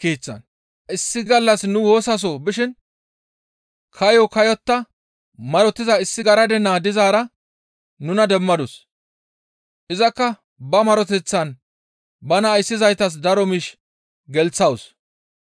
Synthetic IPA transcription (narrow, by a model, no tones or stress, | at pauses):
kiːt͡sːɐ̰n | ʔɪsːɪɡɐlːɐsnʊwo̞ːsɐs̬ɔbɪʃɪn | kʰɐjɔkɐjɔt̪ːɐ | mɐɾɔt̪ːɪzɐɪsːɪɡɐɾɐd̪ɛnaːd̪ɪzaːɾɐ | nʊnɐd̪ɛmːɐd̪ʊs | ʔɪzɐkːɐ | bɐmɐɾɔt̪ɛt͡sːɐn | bɐnɐːjsːɪzɐjt̪ɐs̬d̪ɐɾɔmɪʃ | ɡɛlt͡sːɐws